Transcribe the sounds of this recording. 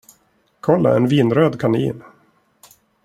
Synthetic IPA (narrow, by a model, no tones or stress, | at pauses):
kʰɔlːa̰ɛnviːnɾøːd̪kʰanḭːn